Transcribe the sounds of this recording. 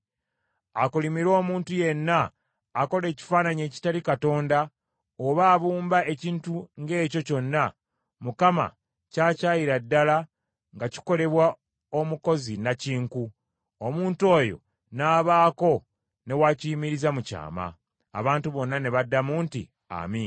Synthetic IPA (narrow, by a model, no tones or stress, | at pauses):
akulimiɾo̞ːmuːntuje̞nːaː | ko̞le̞ːci̥faːnaɲe̞ːci̥talikato̞ːnda | oβaːβuːmbae̞ciːntuŋɡe̞ːco̞co̞nːa | mukama̰ | caːcaːjiɾadːala | ŋɡaci̥ko̞le̞βwa | o̞muko̞zinaciːŋku | omuːnto̞ːjo̞̰ | naːβaːko̞ | ne̞waciimiɾizamuca̰ːma̰ː | βaːntuβo̞nːane̞βadːamuːntḭ | a̰min